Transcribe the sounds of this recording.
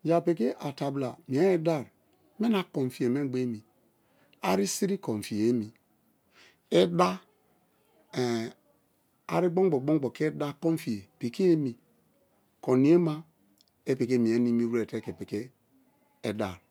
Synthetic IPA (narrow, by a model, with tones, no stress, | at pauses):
d͡ʒa˨pe˨ke˦ʔa˨ta˨bla˨mi˨e˦e˦da˦˨ɾ | me˦na˨ko˨m˨fi˨e˨me˦ɡ͡be˦mi˨ | a˦ɾi˦si˦ɾi˦ko˨ɱ˨fi˨e˨˦mi˨ | e˦da˦˨ | a̰˨ɾi˦ɡ͡bo˦ŋ˦ɡ͡bo˨ɡ͡bo˦ŋ˦ɡ͡bo˨ke˦da˦kɔ˦ɱ˦fi˨e˨pe˨ke˦e˦mi˨ | ko˨ni˨˦e˦ma˦ | e˦pe˨ke˦˨mi˨e˨˦ni˦mi˦ɾu˦e˨te˦ke˨pe˨ke˦ | e˨da̰˨ɾ